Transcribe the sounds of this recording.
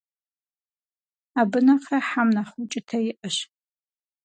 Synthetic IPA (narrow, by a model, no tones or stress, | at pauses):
abɨnaqraħamnaχut͡ʃʼɪtʰajɪʔəʃ